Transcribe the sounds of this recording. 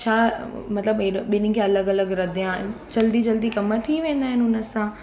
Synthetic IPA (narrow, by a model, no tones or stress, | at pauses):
t͡ɕʰaːmɐt̪ləbɪɓɪnɪ̆kʰeɐləɡɐləɡɾɐd̪ʱijãːɦɪnɪ̆t͡ɕɐld̪id͡ʑɐld̪ikɐmət̪ʰiʋẽːn̆d̪aːɦɪnɪʊnə̆sãː